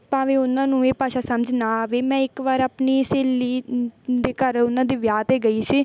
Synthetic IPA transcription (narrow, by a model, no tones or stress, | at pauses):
paːʋeːʊnãːnũːeːpaːʃaːsəməd͡ʒnaːʋeːmɛ̃ːɪkʋaːɾəpniːseːliːd̪eːkəɾʊnãːd̪iːʋjaːt̪eːɡəiːsiː